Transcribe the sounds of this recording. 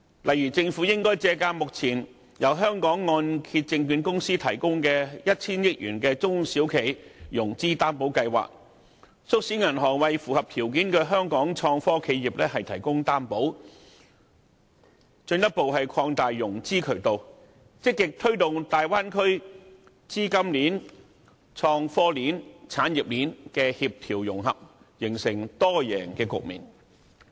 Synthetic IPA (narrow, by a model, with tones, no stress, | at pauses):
lʔɐ˨jɥyː˨˩t͡sɪ˧ŋfu˨˥jɪ˥ŋkɔː˥jt͡sɛː˧kaː˧mʊ˨k̚t͡sʰiː˨˩n | jɐ˨˩wɦœː˥ŋkɔː˨˥ŋːɔː˧nkʰiː˧t̚t͡sɪ˧ŋkyː˨˧nkʊ˥ŋsiː˥t̪ʰɐ˨˩jkʊ˥ŋkɛː˧jɐ˥t̚t͡sʰiː˥njɪ˥k̚jy̰ː˨˩nkɛː˧t͡sʊ˥ŋsiː˨˥wkʰe˨˩jjʊ˨˩ŋt͡siː˥t̪aː˥npo˨˥wkɐ˧jwa̰ː˨k̚ | sʊ˥k̚siː˨˥ŋɐ˨˩nɦɔː˨˩ŋwɐ˨jfuː˨hɐ˨p̚t̪ʰiː˨˩wkiː˨˥nkɛː˧ɦœː˥ŋkɔː˨˥ŋt͡ʃʰɔː˧ŋfɔː˥kʰe˨˥jiː˨p̚lɛː˥ɦɐ˨jt̪ʰɐ˨˩jkʊ˥ŋt̪aː˥mpo˨˥w | t͡ʃɵ˧njɐ˥t̚po˨whɐ˨jkʰɔː˧ŋt̪aː˨jːʊ˨˩ŋt͡siː˥kʰɵ˨˩ɥt̪o˨w | t͡sɪ˥kːɪ˨k̚t̪ʰɵ˥ɥt̪ʊ˨ŋt̪aː˨jwaː˥nkʰɵ˥ɥ | t͡siː˥kɐ˥mliː˨˥n | t͡sʰɔː˧ŋfɔː˥liː˨˥nt͡sʰaː˨˥nji˨p̚liː˨˥nkɛː˧hiː˧p̚t̪ʰiː˨˩wjʊ˨˩ŋɦɐ˨p̚ | jɪ˨˩ŋsɪ˨˩ŋt̪ɔː˥jɛː˨˩ŋkɛː˧kʊ̰˨k̚mḭː˨˩n